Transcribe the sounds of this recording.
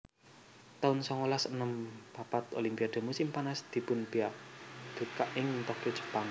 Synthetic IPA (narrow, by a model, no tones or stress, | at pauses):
t̪aʊnsɔŋolasənəmpapat̪o̰limpiad̪̥o̤musɪmpanasd̪̥i̤pʊnbiaʔd̪̥ṳt̪̚kaʔɪŋnt̪ɔk̚kot͡ʃə̥paŋ